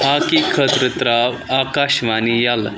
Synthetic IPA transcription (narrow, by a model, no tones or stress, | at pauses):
akikʰət̪ɾət̪ɾaʋːkaɕʋanijal